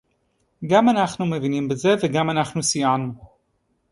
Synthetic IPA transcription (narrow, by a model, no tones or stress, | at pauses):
ɡamanaχnumevinimbeze̞veɡamanaχnusijanu